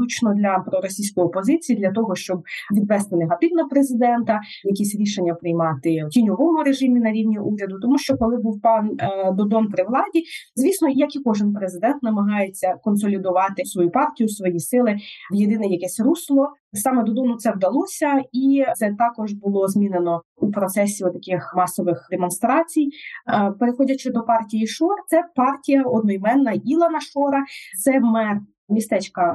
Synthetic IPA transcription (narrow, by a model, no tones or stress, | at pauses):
ut͡ʃnɔd̪lʲɐpɾɔɾɔsʲijsʲkɔjɔpɔzɪt͡sʲijid̪lʲɐt̪ɔɦɔʃt͡ʃɔb̚ʋʲid̪ʋɛst̪ɪneɦɐt̪ɪwnɐpɾezɪd̪ɛnt̪ɐ | jɐkʲisʲɾʲiʃenʲːɐpɾɪjmɑt̪ɪtʲinʲɔʋɔmʊɾeʒɪmʲinɐɾʲiwnʲiʔuɾʲɐd̪ʊt̪ɔmuʃt͡ʃɔkɔlˠɪbuwpɑnd̪ɔd̪ɔnpɾɪʋlˠɑdʲizʲʋʲisnɔjɐkikɔʒɪnpɾezɪd̪ɛnt̪nɐmɐɦɑjet͡sʲːɐkɔnsɔlʲid̪ʊʋɑt̪ɪsʋɔjupɑrtʲijusʋɔjisɪlˠɪjed̪ɪnɛjɐkɛsʲruslˠɔ | sɑmɛd̪ɔd̪ɔnʊt̪sɛwd̪ɐlˠɔsʲɐisɛt̪ɑkɔʒbʊlˠɔzmʲinenɔ | upɾɔt̪sɛsʲiɔt̪ɐkʲɪxmɑsɔʋɪxd̪emɔnst̪ɾɑt͡sʲijpeɾexɔdʲɐt͡ʃɪd̪ɔpɑrtʲijiʃɔrt̪sɛpɑrtʲijɐɔd̪̚nɔjmɛnːɐilˠɐnɐʃɔɾɐt̪sɛmɛr | mʲist̪ɛt͡ʃkɐ